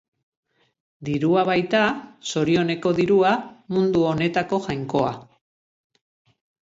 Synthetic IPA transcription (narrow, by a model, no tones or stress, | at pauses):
d̪iɾuaβajt̪aso̞ɾio̞ne̞ko̞ðiɾuamund̪uo̞ne̞t̪ako̞ʝajŋko̞a̰